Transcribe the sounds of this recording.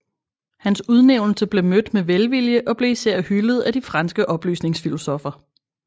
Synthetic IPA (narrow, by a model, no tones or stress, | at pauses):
hænsuð̞ˠneʊnl̩səb̥le̝mød̥meʋelʋiljəʔɒ̽b̥le̝isæɐ̰hyləð̞̩ˠæd̥ifʁɑ̈nsɡ̥əʔɒ̽b̥ly̰ːsne̝ŋsfilo̝sɔfɐ